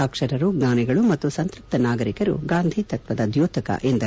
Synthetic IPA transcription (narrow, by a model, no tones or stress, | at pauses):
aːkʂɐɾɐɾuɡnaːniɡɐɭumɐt̪ːusɐnt̪ɾɐp̚t̪ɐnaːɡɐɾikɐɾṵɡaːnd̪ʱit̪ɐt̪ʋɐd̪ɐd̪joːt̪ʰɐkɐ̰ʔend̪ɐ